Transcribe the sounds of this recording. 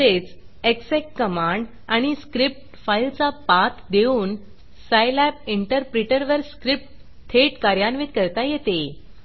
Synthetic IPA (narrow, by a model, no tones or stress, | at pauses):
et͡s | eksekkəmaɳɖ | aɽ̃iskɾip̚ʈfailt͡sapat̪ʰd̪euːn | sajlɛp̚iɳʈəɾpɾeʈəɾʋəɾskɾip̚ʈ | t̪ʰeʈkaɾjanʋit̪kəɾt̪ajet̪e